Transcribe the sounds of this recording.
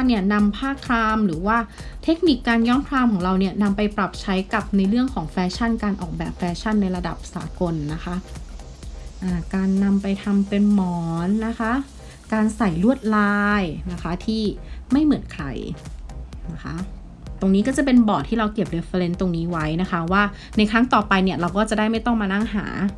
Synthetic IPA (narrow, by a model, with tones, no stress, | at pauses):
a˥˧ni˥˩ɐna˧mpʰaː˥˩kʰɾaː˧mɾɯː˩˦waː˥˩t̪ʰe˦˥k̚ni˨˩kːaː˧njɔː˦˥nkʰɾaː˧mkʰɔː˩˦ŋɾa˧wni˥˩ɐna˧mpa˧jpɾa˨˩p̚t͡ɕʰa˦˥jka˨˩p̚na˧jɾɯ˥˩əŋkʰɔː˩˦ŋfɛː˦˧t͡ɕʰa˥˩nkaː˧nʔɔ̰ː˨˩k̚bɛː˨˩p̚fɛː˧˥t͡ɕʰa˥˩nːa˧jɾa˧da̰˨˩p̚sa̰ː˩˦ko˧nːa˦˥kʰa˦˥ʔ | ʔaː˧˩kaː˧nːa˧mpa˧jt̪ʰa˧mpe˧nmɔː˨˩˦nːa˦˥kʰa˦˥ | kaː˧nsa˨˩jlu˥˩ət̪̚laː˧jna˦˥kʰa˦˥t̪ʰiː˥˩ma˥˩jmɯ˨˩˦nkʰɾa̰˧˩j | na˦˥kʰa˦˥ʔ | t̪o˧ŋniː˦kɔː˥˩t͡ɕa˨˩pe˧nbɔː˨˩t̪ʰːiː˥˩ɾa˧wki˨˩ə˩p̚ɾe˧˥fa˧le˦˧˥nt̪o˧ŋniː˦˥wa˦˥jna˦˥kʰa˦˥waː˥˩ | na˧jkʰɾa˦˥ŋt̪ɔː˨˩pa˧jni˥˩ɐɾa˧wkɔː˥˩t͡ɕa˨˩daː˥˩jma˥˩jt̪ɔ˥˩ŋmaː˧na˥˩ŋɦa̰ː˩˦